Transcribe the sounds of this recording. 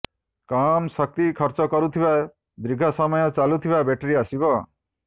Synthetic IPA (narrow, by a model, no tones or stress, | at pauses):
kamsɔk̚t̪ikʰɔɾt͡ʃɔkɔɾut̪ʰiba | d̪ɾiɡʱɔsɔmɔjɔt͡ʃalut̪ʰibabeʈeɾiasibɔ